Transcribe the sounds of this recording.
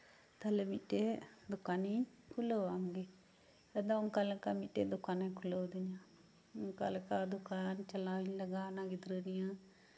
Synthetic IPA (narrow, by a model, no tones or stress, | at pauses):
t̪əlemiʈeːd̪ʊkaːni | kʰʊloaːɡeː | əd̪aːʊŋkalkaːmiʈeːd̪ʊkaːnẽkʰʊlod̪ɪɲãː | ʊŋka̰lkad̪ʊkaːnt͡ʃəlaːinləɡaːnãːɡɪd̪ɾəːɾɪjãː